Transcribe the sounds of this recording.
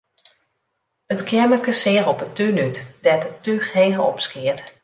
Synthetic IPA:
ətkʰɛɹmərkəsɪərɔpətynytdɛtətːyheːɦəɔpskɪət

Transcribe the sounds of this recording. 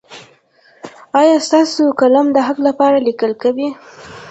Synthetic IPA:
ɑjɑst̪ɑsokalamd̪əɦaklapɑɾalikəlkawi

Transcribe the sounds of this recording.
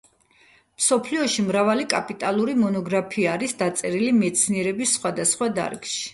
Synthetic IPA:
msɔpʰliɔʃimɾavalikʼapʼit̪ʼalˠuɾimɔnɔɡɾapʰiaːɾisd̪at̪sʼɛɾilimɛt̪sʰniɛɾɛbisːχwad̪asχwad̪a̰ɾkʼʃi̥

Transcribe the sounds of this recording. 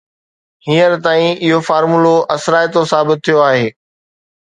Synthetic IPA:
hiːəɾt̪aːĩɪɦofaːɾmuloʔɐsɾaːjt̪osaːbɪt̪̚tʰːijoaːɦeː

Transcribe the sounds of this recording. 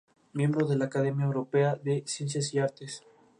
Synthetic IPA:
mje̞mbɾoðe̞laːkaðemjaewɾo̞peaðesjensjas̬iaɾt̪es

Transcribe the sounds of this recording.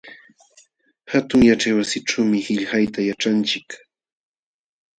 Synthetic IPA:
hat̪ʊŋjaʈ͡ʂajwasɪʈ͡ʂawmɪhɪʎhajt̪ajaʈ͡ʂant͡ʃɪk

